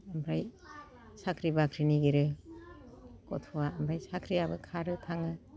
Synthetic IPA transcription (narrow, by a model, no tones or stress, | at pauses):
ambʰɾaj | sakʰɾibakʰɾiniɡiɾɯ | kɔ̰tʰɔwaɐmbʰɾajsakʰɾijabɯkʰaɾɯtʰaŋɯ